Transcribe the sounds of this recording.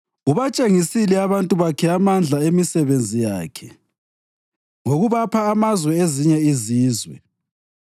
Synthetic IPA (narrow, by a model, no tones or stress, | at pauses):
uβat͡ʃʼeŋisilɛaβantʼuβakʰɛamand͡ɮʱaemisɛβend͡zʱija̰ːkʰɛ | ŋoɣuβapʰaːmazwɛeziɲɛiziːzwɛ̰